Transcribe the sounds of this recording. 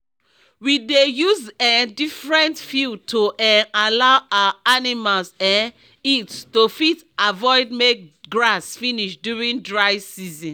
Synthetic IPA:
widejuzɛ̃ndifɹɛ̃ntfjutʰoʔɛ̃nalaʊʔaaanimalsãn | itstofit | avɔɪd̚mek̚ɡɹasfiniʃdjuɹĩndɹaɪsizɔ̃n

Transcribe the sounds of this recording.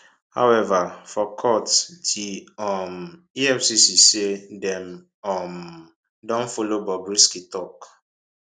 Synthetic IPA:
ha̰wɛvafɔkʰɔttʰiɔm | iɛfsisisedɛ̃m | ɔm | dɔ̃nfolobɔbɹiskitɔk

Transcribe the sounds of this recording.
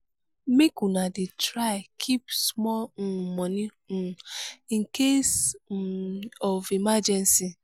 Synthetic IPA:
mekunadɪtɾaɪkʰipsmɔl̩mɔnin̩iŋ̩kes̩ | ɔvimad͡ʒɛnsi

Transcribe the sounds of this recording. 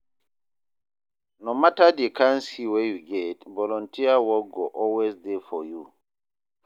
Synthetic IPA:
nomatadekʰãnsiwejuɡɛtvɔlɔ̃ntʰiawɔlɡoʔɔlwezdefɔju

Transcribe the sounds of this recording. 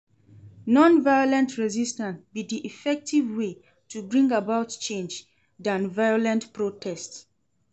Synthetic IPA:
nɔ̃nvajɔlɛ̃ntʰɹɛzistãnsbidiʔifɛk̚tʰivwe | tʰubɹĩŋɡabaʊtt͡ʃẽnd͡ʒ | dãnvaɪjɔlɛ̃ntpɹotʰɛsts

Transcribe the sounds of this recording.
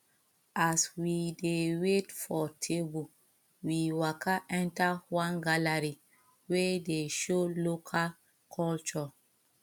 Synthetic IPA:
aswidewetfɔtʰebu | wiwakʰaʔɛ̃ntawãnɡalaɹi | wedeʃolokʰal | kʰɔlt͡ʃɔ

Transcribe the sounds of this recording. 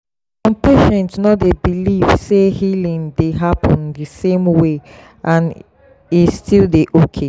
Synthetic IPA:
sɔ̃mpeʃɛ̃ntnɔtdebiliv̥sehilĩŋdeɦapʰɔ̃ndəsẽmwe | ʔãn | istilˠdeʔokʰe

